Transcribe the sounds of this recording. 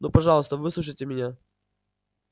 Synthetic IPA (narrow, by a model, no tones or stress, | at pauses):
nupɐʐɑlˠəst̪əvɨsˠuʂ̬əjtʲɪmʲɪnʲa